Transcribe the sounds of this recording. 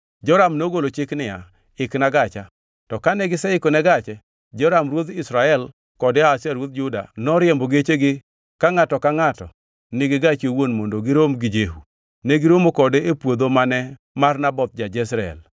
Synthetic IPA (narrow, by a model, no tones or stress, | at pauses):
d͡ʒɔɾamnoɡolot͡ʃɪknɪa̰ | ɪknaɡat͡ʃa | tɔkanɛɡɪsɛɪkɔnɛɡat͡ʃɛ | d͡ʒɔɾamɾwot̪ɪsɾaɛl | kɔdɪasaɾwot̪̚d͡ʒʊda̰nɔɾjemboɡet͡ʃeɡɪ | kaŋatɔkaŋatɔ̰ | nɪɡɪɡat͡ʃewonmondoɡɪɾomɡɪd͡ʒeɦu | nɛɡɪɾomokɔdeepwod̪omanɛ | marnabɔt̪̚d͡ʒad͡ʒɛsɾaɛ̰l